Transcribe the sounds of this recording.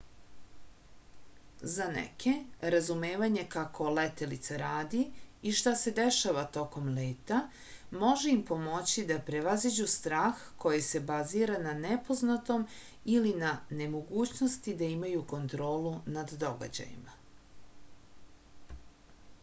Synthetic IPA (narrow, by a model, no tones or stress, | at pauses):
zanḛkʰe̞ɾazumeːʋaɲe̞kakʰo̞let̪e̞lit̪saɾaːd̪iiʃt̪ase̞d̪eʃaʋat̪o̞ko̞mleːt̪a | mo̞ʒeimpo̞mo̞t͡ɕid̪apɾe̞ʋazid͡ʑust̪ɾaːxko̞jise̞baziːɾananepo̞znat̪o̞m | ilinane̞mo̞ɡuːt͡ɕno̞st̪id̪aimajuko̞nt̪ɾo̞ːlunad̪ːo̞ɡa̰d͡ʑa̰jḭma